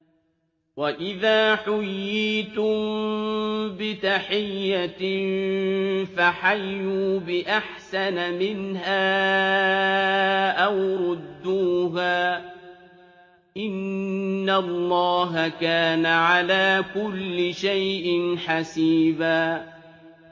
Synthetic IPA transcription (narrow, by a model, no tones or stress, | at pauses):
waʔɪðaːħʊjːiːt̪ʊm | bɪt̪aħɪjːa | faħajːuːbɪʔaħsanamɪnɦaː | ʔawɾʊd̪ːuːɦaː | ʔɪnː | alˤːɑːɦakaːnaʕalaːkʊlːɪʃajʔɪnħasiːbaː